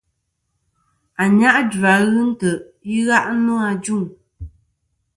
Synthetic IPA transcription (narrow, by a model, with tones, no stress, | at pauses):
a˨ɲa˦ʔd͡ʒa˨˦ɣɨ˦n̩˦tə˨ʔ | i˦ɣa˦ʔnu˦a˧d͡ʒu˦˨ŋ